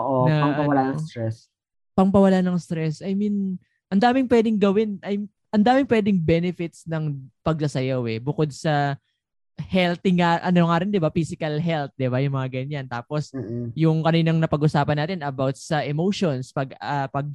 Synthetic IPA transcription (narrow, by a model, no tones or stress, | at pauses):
oʔonɐɐɐwɐlaɐɾɛs | pɐŋpɐwɐlanɐŋst̪ɾɛsʔɐjmin | ʔɐnd̪aːmɪŋpwɛːd̪ɪŋɡɐwɪnʔɐj | ʔɐnd̪aːmɪŋpwɛːd̪ɪŋbɛnɛfɪt̪snɐŋpɐɡ̚sɐsɐjawɛbʊkod̪̚sɐ | hɛlt̪ɪŋːaʔɐnoŋaːɾɪnd̪ɪbafisɪkɐlɦɛlt̪̚d̪ɪbajʊŋmɐŋaɡɐɲːant̪aːpo̞sjʊŋkɐniːnɐŋnɐpɐɡʔʊsaːpɐnːaːt̪ɪnɐbawt̪̚sɐʔɛmowʃonspɐɡapɐɡ̚